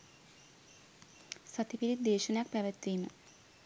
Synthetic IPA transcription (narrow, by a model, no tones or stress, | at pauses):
sɐt̪ipiɾid̪eːʃɐnakpɐʋɐt̪ːinɨ